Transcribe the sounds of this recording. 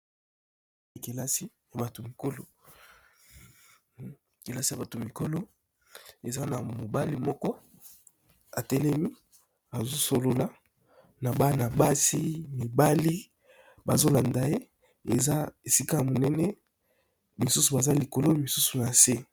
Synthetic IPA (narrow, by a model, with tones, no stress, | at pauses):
e˨ke˨la˦si˦ | ja˨ba˨to˨mi˨ko˦lo˨ | ke˨la˦si˨ja˨ba˨to˨mi˨ko˦lo˦ | e˨za˦na˨mo˨ba˦li˦mɔ˦kɔ˦ | a˨tɛ˦lɛ˦mi˦ | a˨zo˦so˨lo˨la˨˦ | na˨ba˦na˨ba˦si˦mi˨ba˦li˦ | ba˨zo˦la˨nda˨je˦ | ḛ˨za˦e˨si˦ka˦ja˨mo˨nɛ˦nɛ˦ | mi˨su˦su˨ba˨za˦li˨ko˨lo˦mi˨su˦su˨na˨se˦